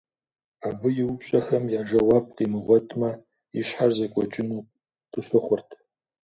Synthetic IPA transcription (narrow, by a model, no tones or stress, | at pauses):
aːbɨjɪwʊpɕʼɐxɐmjaːʒɐwɑp̚ʼqimɨʁʷɔtʼmɐ | iʃħarzɐkʷʼɔt͡ʃʼɪnuː | tʼɨɕʷɨχʷʊrtʰ